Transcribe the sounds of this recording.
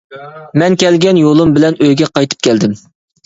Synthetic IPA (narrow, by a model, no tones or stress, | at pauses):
mɛnkʲɛlɡʲɛnjolˠumbɪlɛnøjɡʲɛqɑjt̪ʰɨ̥p̚kʲʰɛld̪ɪm